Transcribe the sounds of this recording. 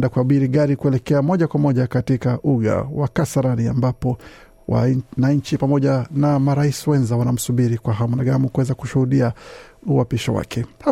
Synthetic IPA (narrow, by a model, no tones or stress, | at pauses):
dakuaɓiɾiɠaɾikuɛlɛkɛamɔʄakwamɔʄakatikaʔuɠa̰wakasaɾania̰mbapɔ | wa̰naɲt͡ʃipamɔʄanamaɾaisiwɛnzawanam̩suɓiɾikwaɦamunaɠamukuwɛzakuʃuhuɗiauwapiʃɔ̰wa̰kʰɛha